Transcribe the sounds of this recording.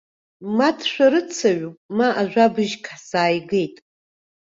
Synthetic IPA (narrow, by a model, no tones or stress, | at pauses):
matʰʃʷᶣaɾɨt͡sʰaɥumaʔaʒᶣʷabɨʒkʰħsaːjɡe̞jtʼ